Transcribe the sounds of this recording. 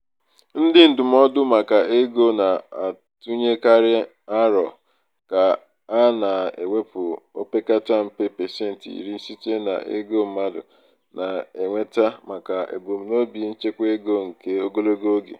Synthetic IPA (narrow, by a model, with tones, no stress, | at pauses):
n̩˦dɪ˦n̩˨dʊ˨m̩˦ɔ˦dʊ˦ma˨ka˨e˦ɡo˦na˨a˨ | tu˦ɲe˦ka˦ɾɪ˦ | a˦ɾɔ˨ | ka˨ | a˦na˨ḛ˨ŋʷe˦pʊ˨o˦pe˦ka˦ta˦m̩˦pe˦pe˨se˦˨n̩˨tḭ˨ɾi˦si˦t͡ʃe˦na̰˨ḛ˦ɡo˦m̩˦ma˦dʊ̰˨ | na˨e˨ŋʷe˦ta˦ma˨ka˨ḛ˨bo˨m̩˨no˦bi˨˦n̩˦t͡ʃe˦kʷe˦ɡo˦ŋ̩˨ke˦o˦ɡo˦lo˦ɡo˦ɡḛ˨